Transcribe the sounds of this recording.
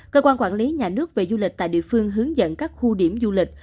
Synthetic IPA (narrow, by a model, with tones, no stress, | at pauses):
kəː˧kwaː˧nkwaː˧˩nli˨˦ɲaː˨˩nɨ˦˥ək̚ve˨˩zu˧lï˨˩k̚t̪a̰ː˧˨jɗḭ˧˨əfɨ˧əŋɦɨ˨˦əŋzə̰˧˨nkaː˦˥k̚xu˧ɗi˧˩əmzu˧lï˨˩k̟̚